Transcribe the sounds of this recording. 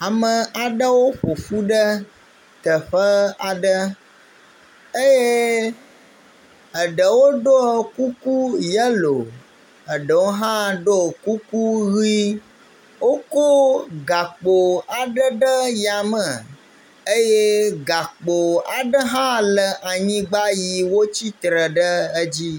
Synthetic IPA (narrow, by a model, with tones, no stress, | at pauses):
a˨mə˨ʔa˨ɖə˦wo˦ɸo˨fu˦ɖə˦ | t̪ə˨ɸə˦a˨ɖə˦ | e˦je˦ | ə˨ɖə˨wo˦ɖo˦ku˦ku˦jə˦lo˨ | ə˨ɖə˨wo˦ɦã˦ɖo˦˨ku˦ku˦ɣi˦ | wo˦ko˦ɡa˨k͡po˨a˨ɖə˦ɖə˦ja˨mə˨ | ə˦je˦ɡa˨k͡po˨a˨ɖə˦ɦã˦lə˨ʔa˨ɲĩ˦ɡ͡ba˦ji˨wo˦t͡ɕi˦t̪ɾə˨ɖə˦ə˦d͡ʑi˦